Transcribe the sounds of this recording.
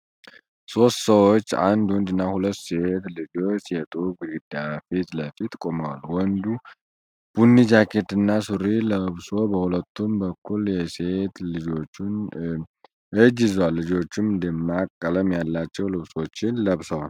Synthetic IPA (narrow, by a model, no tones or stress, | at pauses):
so̞st̪səwot͡ʃːa̰nd̪wɔnd̪ɨnːahulət̪ːseet̪lɨd͡ʒo̞t͡ʃːjɛt̪ʼuɡɨɾid̪afit̪ləfit̪kʼo̞məwalwɔnd̪u | b̥unːid͡ʒakʰe̞t̪ɨnːasuɾiləβso̞bəhulət̪ʰːumbəkʰːuljɛset̪lɨd͡ʒo̞t͡ʃːn | ɨd͡ʒɪzwalːɨd͡ʒo̞t͡ʃːɪmd̪ɨmːakʼːələmjalːat͡ʃːɛwlɨβso̞t͡ʃːɪnləβsəwal